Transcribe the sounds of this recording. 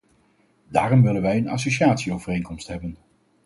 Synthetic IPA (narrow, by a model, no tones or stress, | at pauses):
daːrɔmʋɪlənʋɛjənɑ̰soʃiaːtsiowvərejnkɔmstɦɛbən